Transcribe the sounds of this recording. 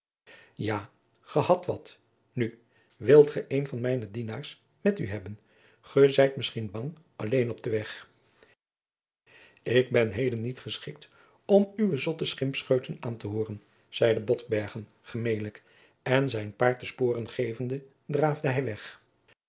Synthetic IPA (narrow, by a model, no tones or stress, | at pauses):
jaː | χəhɑtʋɑt | ny | ʋɪlˠtχəʔejnvɑnmɛjnədinaːɹs | mɛtyɦɛbən | χəzɛjtmɪsχinbɑŋ | ɑlejnɔb̚dəʋɛχ | ɪɡ̚bɛnɦejdənːitχəsχɪk̚t | ɔmyʋəzɔtəsχɪmpsχøɥtənaːntəɦoːrən | z̥ɛjdəbɔtbɛɹχən | χəmejlək | ɛnzɛjnpaːɹtəspoːrənχejvəndə | draːvdəɦɛjʋɛχ